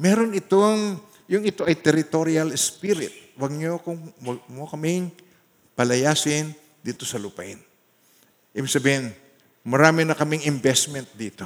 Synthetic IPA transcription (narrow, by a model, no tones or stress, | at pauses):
mɛɾo̞nɪt̪oŋ | jʊŋɪt̪o̞ʔɐjt̪ɛɾɪt̪oɾiɐlɛspiɾɪ̰t̪̚wɐɡ̚ɲokʊŋɐɡmokɐmɪŋ | pɐlɐjaːsɪn | d̪iːt̪o̞sɐlupɐ̰ʔɪn | ʔibɪɡ̚sɐbiːhɪn | mɐɾaːmɪnɐkɐmɪŋɪmbɛsmɛnt̪̚d̪iːt̪o